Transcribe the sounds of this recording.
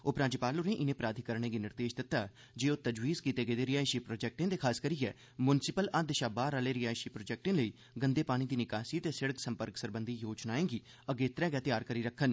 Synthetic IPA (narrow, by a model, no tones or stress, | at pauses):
oːpɾãːd͡ʒɪpaːlʊɾẽːʔɪnẽːpɾaːd̪ʱiːkəɾɳ̃ẽːɡiːnɪɾd̪eːʃd̪ɪt̪ːaː | d͡ʒeːoːt̪əd͡ʒwiːzkiːt̪eːɡeːd̪eːɾɪjaːɪʃiːpɾoːd͡ʒɛːk̚ʈẽːd̪eːkʰaːskəɾiːɛ̰ː | mʊnsɪpələd̪ʃaːbaːɾaːleːɾɪjaːɪʃiːpɾoːd͡ʒɛːk̚ʈẽːləiː | ɡənd̪eːpaːɽ̃iːd̪iːnɪkaːsiːt̪eːsɪɽəksəmpəɾksəɾbənd̪ʱiːjoːd͡ʒnaːẽːɡiː | əɡeːt̪ɾɛ̃ːɡɛːt̪ɪjaːɾkəɾiːɾəkʰːən